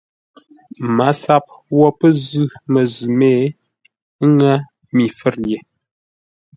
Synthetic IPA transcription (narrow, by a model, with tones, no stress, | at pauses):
ma˨˦sa˦p̚wɔ˦pə˦zʉ˦mə˨zʉ˨me˦˨˦ | ŋə˦ | mi˨fə˦ɾje˨